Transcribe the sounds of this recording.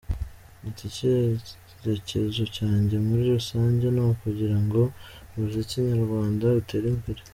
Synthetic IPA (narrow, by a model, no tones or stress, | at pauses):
itice | ɾecezo̞caːɲɟe̞muɾiɾusaːɲɟe̞naokuɟiɾaŋɡo̞ | βuzeciɲaɾɡwaːndaute̞ɾimbeɾe